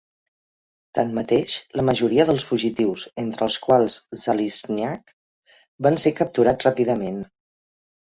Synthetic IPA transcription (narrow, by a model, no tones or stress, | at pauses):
t̪anmət̪eʃləməʒuɾiəðəlˠsfuʒit̪iwzent̪ɾəːlˠskwalˠzzəlizniak | bansekəp̚t̪uɾatrapiðəmen